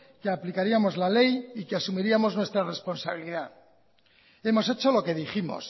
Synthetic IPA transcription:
keaplikaɾiamo̞zlale̞jikeasumiɾiamo̞znwe̞st̪ɾare̞spo̞nsaβ̞iliða | e̞mo̞set͡ʃo̞lo̞ke̞ðiximo̞̰s

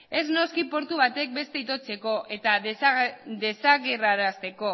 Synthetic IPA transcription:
e̞zno̞skipo̞ɾt̪uβ̞at̪e̞k̚be̞st̪e̞it̪̬o̞t͡se̞ko̞ʔe̞t̪a | d̪e̞saɣeraɾast̪e̞ko̞

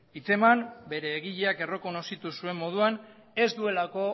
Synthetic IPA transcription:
it͡se̞mambe̞ɾe̞ːɣiʎeake̞ro̞ko̞no̞sit̪usue̞mːo̞ð̞uan | e̞zd̪ue̞lako̞

